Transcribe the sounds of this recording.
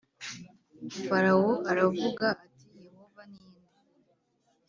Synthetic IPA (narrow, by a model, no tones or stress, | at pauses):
faɾawoʔaɾavuɡaʔːtijeho̞vaniːnda